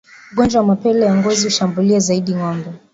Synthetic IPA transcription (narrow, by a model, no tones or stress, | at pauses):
uɠɔnd͡ʒawamapɛlɛjaŋɡɔzihuʃambuliazaiɗiŋɔmbɛ